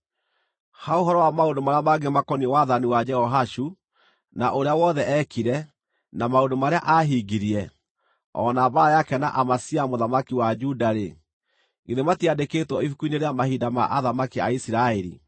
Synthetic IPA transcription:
haoɦɔɾɔwamaondomaɾeamaɡemakɔniɛwaðaniwad͡ʒɛhɔɦaʃu | naʔoɾeawɔðɛʔɛkʰiɾɛ | namaondomaɾeaʔaɦiɡiɾiɛ | ɔ̰nabaɾajakɛna̰ʔamasiamoðamakiwad͡ʒudaɾe | ŋɡeðematiadeketwɔifukuineɾeamahidama̰ʔaðamakia̰isiɾaeɾḭ

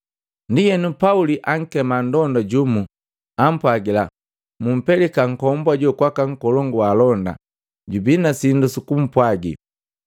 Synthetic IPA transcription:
ndijɛnupauliʔaŋ̩kɛmandɔndaɟumu | am̩pwaɡila | mum̩pɛlɛkaŋ̩kɔmbwaɟɔkwakaŋ̩kɔlɔŋɡuwalɔnda̰ | ɟubinasindusukum̩pwaɡḭ

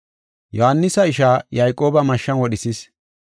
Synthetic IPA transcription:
jɔhɐnːɪsɐɪʃaːjɐjkʼo̞ːbɐmɐʃːɐnwɔɗɪsis

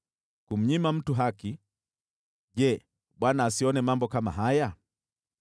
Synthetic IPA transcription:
kum̩ɲimam̩tuɦaki | ʄɛ | ɓwanaːsiɔnɛmambɔkama̰ɦaja

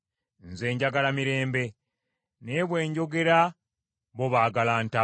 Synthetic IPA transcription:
nze̞ːɲɟaɡalamiɾe̞ːmbe̞ | neβwe̞ːɲɟo̞ɡe̞ɾa | βo̞βaːɡalaːnta

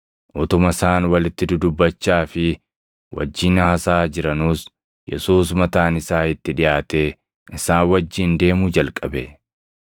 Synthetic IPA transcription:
ʔɔt̪ʊmɐsaːnwɐlɪt̪ːɪd̪ʊd̪ʊbːɐt͡ʃːaːfɪ | wʔɐ̰d͡ʒːɪnɐhɐsaːd͡ʒɪɾɐnuːs | jɛ̰suːs̬mɐt̪aːnɪsaːɪt̪ːɪᶑɪjaːt̪e̞ː | ʔɪsaːnwɐd͡ʒːɪːnd̪e̞ːmud͡ʒɐlkʼɐbɛ

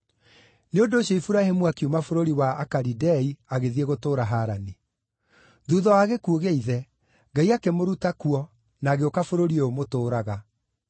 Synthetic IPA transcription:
neondoːɕjɔifuɾahemuakiumafoɾoɾiwaːkaɾidɛiaɣeðieɣotoːɾaɦaɾani | ðuðɔwaːɣekuoɣeiðɛ | ŋɡaiakemoɾutakuɔ | naːɣeokafoɾoɾiomotoːɾaɣa

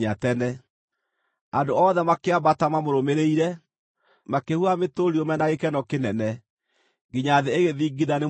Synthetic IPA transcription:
ɲatɛnɛ | andoɔːðɛmakeabatamamoɾomeɾeiɾɛ | makehuametoɾiomɛnaɣekɛnɔkenɛnɛ | ɡiɲaðeːɣeðiːɡiðane

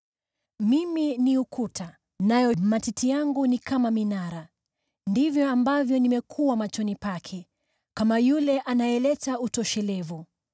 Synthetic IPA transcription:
miminiukʰutʰa | najɔmatitʰijaŋɡunikamaminaɾa | ndivjɔambavjɔnimɛkʰuwamat͡ʃɔnipakʰɛ | kamajulɛʔanajɛlɛtautɔʃɛlɛvu

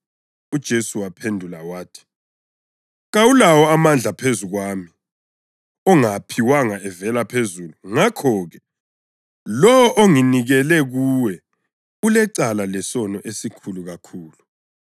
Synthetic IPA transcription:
ud̥ʒ̥ʱesuwapʰendʱulawaːtʰi̥ | ɣawulawɔamand͡ɮʱapʰezuɣwaːmi | ɔŋapʰiwaŋaɛvɛlapʰezuluŋakʰɔɣɛ | lɔwɔʔoŋiniɣɛlɛɣuːwɛ | ulɛǀalalɛsɔnɔʔesikʰuluɣakʰuːlu

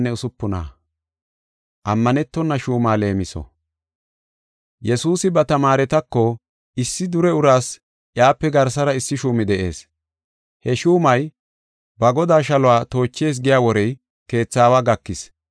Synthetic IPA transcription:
nːɛʊsʊpːʊna̰ː | ʔɐmːɐnɛt̪ːɔnːɐʃuːmaːle̞ːmɪsɔ̰ | jɛsuːsɪbɐt̪ɐmaːɾɛt̪ɐkːɔ | ɪsːɪd̪ʊɾɛʊɾaːs | ʔjaːpːɛɡɐɾsɐɾɐɪsːɪʃuːmɪd̪ɛʔe̞ːs | hɛʃuːmɐj | bɐɡɔd̪aːʃɐlʊwaːt̪o̞ːt͡ʃːe̞ːs̬ɡɪjaːwɔɾɛj | ke̞ːt͡sːaːwaːɡɐkːɪs

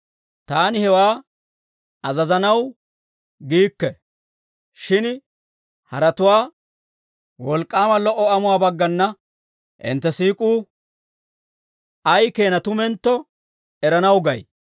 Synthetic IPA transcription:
t̪aːnɪhɛwaː | ɐzɐzɐnɐw | ɡiːkːɛ | ʃɪn | hɐɾɐt̪ʊwaː | wɔlkʼːaːmɐlɔʔːɔʔɐmʊwaːbɐɡːɐnːɐ | ʔɪ̰nt̪ːɛsiːkʼuː | ɐjke̞ːnɐt̪ʊmɛnt̪ːɔ | ɛɾɐnɐwɡɐj

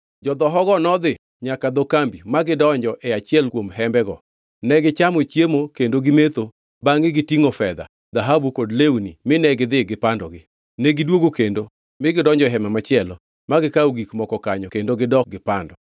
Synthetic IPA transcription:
d͡ʒɔd̪ɔɦɔɡɔnɔd̪ɪ | ɲakad̪ɔkambimaɡɪdɔɲd͡ʒɔʔɛat͡ʃɪɛlkwomɦɛmbɛɡɔ | nɛɡɪt͡ʃamot͡ʃjemokendoɡɪmet̪o | baŋɪɡɪtiŋofɛd̪a̰ | d̪aɦabukodlewunimɪnɛɡɪd̪ɪɡɪpandɔɡɪ | nɛɡɪdwoɡokendo | mɪɡɪdɔɲd͡ʒɔɦɛmɛmat͡ʃɪɛlɔ | maɡɪkauɡikmɔkɔkaɲɔkendoɡɪdɔɡɪpandɔ

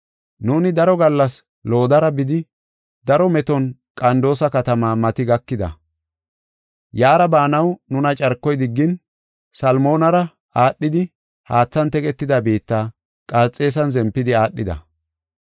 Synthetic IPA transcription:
nuːnɪd̪ɐɾɔɡɐlːɐs | lo̞ːd̪ɐɾɐbɪd̪ɪ | d̪ɐɾɔmɛt̪ɔnkʼɐnd̪o̞ːsɐkɐt̪ɐmaːmɐt̪ɪɡɐkːɪd̪ɐ̰ | jaːɾɐbaːnɐwnʊnɐt͡ʃʼɐɾkːɔjd̪ɪɡːɪn | sɐlmo̞ːnɐɾɐ | aːɗːɪd̪ɪ | haːt͡sːɐnt̪ɛkʼɛt̪ːɪd̪ɐbiːt̪ːaː | kʼɐɾt͡sʼːe̞ːs̬ɐnzɛmpːɪd̪ɪaːɗːɪd̪ɐ̰

